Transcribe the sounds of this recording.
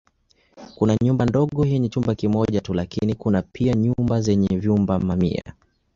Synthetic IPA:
kunaɲumbandɔɠɔhɛɲɛt͡ʃumbakimɔʄatulakinikunapʰiaɲumbazɛɲɛvjumbamamḭa̰

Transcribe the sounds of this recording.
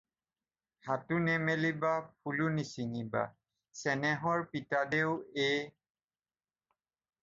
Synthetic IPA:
hatunɛmelibapʰulunisiniba̰ | sɛnɛɦɔɹpitadeʊe

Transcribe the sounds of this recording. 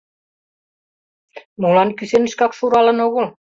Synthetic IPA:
mulɑnkysenɘ̆ʃkɑkʃuɾɑlɤ̆noɣol

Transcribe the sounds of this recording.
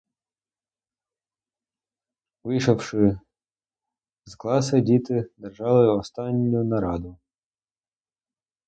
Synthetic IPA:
ʋɪjʃɔwʃɪ | zklˠɑsɐdʲit̪ɪd̪erʒɑlˠɪɔst̪ɑnʲːʊjʊnɐɾɑd̪ʊ

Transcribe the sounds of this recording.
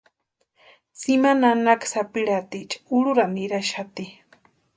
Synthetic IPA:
t͡simananaksapiɾat̪it͡ʃḁuɽuɾamiɾaʃat̪i

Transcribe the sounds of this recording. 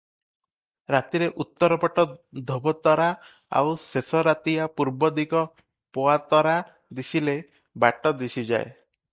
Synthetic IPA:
ɾat̪iɾeʔut̪ːɔɾɔpɔʈɔd̪ʱobɔt̪ɔɾa | a̰wsesɔɾat̪iapuɾbɔd̪iɡɔ | poat̪ɔɾa | d̪isile | baʈɔd̪isid͡ʒa̰e

